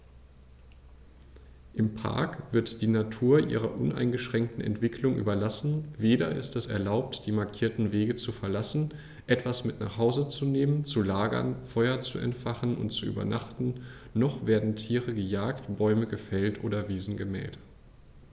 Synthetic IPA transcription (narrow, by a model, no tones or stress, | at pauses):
ʔɪmpʰa̰ɐkv̥ɪɐtd̥iːnatʰuːɐʔḭːʁɐ̰ʔʊnʔa̰ɪnɡəʃʁ̥ɛŋk̚tn̩ɛ̰ntv̥ɪkʰlʊŋʔy̰ːbɐlasn̩veːdɐɪ̰stɛsɛɐlaʊp̚td̥iːmaɐkʰiːɐtn̩veːɡət͡sufɛɐlasn̩ | ʔɛtv̥asmɪtna̰ːχhaʊzət͡suneːmənt͡sulaːɡɐ̰nfɔʏɐt͡suɛ̰ntfaχn̩ʊ̰ntt͡suʔy̰ːbɐ̰naχtn̩nɔχv̥eːɐdn̩tʰiːʁəɡəjaːktb̥ɔʏməɡəfɛltʔo̰ːɾɐviːzn̩ɡəmɛ̰ːlt